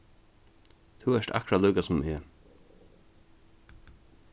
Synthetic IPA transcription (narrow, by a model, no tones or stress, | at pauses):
t̪ʰuɛʂt̪a̰kɾaluːkasʊmɛ